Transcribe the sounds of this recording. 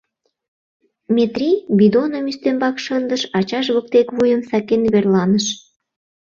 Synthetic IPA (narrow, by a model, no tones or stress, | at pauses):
mʲet̪rʲibid̪onəmyst̪embɑkʃənd̪əʃɑt͡ɕɑʃ̬βək̚t̪ekβujəmsɑkenβerlɑnəʃ